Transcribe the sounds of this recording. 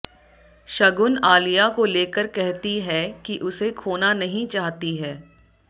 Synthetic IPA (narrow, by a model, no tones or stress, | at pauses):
ʃɐɡʊnaːlijakoleːkəɾkɛɦt̪iɦɛkiʔʊsekʰoːnanɐɦĩt͡ʃaːɦt̪iɦɛː